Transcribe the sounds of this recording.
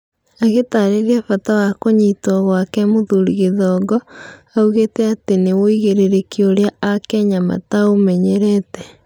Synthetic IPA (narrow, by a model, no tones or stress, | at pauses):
aɣetaɾeɾiafatawakoɲitɔɣwakɛmoðuɾiɣeðɔːɡɔ | auɣetɛatenewoiɣeɾeɾekioɾeaakɛɲama̰taomɛɲɛɾɛtɛ